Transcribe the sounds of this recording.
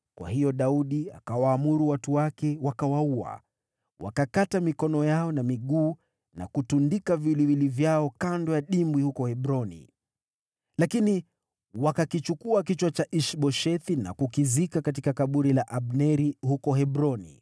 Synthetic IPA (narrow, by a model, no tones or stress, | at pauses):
kwʔa̰hijɔɗauɗia̰kawaːmuɾuwatuwakɛwakawaua̰ | wa̰kakatamikɔnɔjaɔnamiɠuː | na̰kutundikaviliwilivjaɔkandɔjaɗimbwihukɔhɛɓɾɔnḭ | lakini | wakakit͡ʃukuakit͡ʃwat͡ʃaʔiʃɓɔʃɛθina̰kukizikakat̬ikakaɓuɾilaʔaɓnɛɾihukɔhɛɓɾɔnḭ